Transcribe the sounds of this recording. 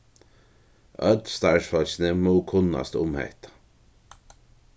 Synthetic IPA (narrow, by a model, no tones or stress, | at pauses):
œd̪st̪aɹʃfɔlʃnəmuːkʰʊnːa̰st̪ʊmhɛ̰ht̪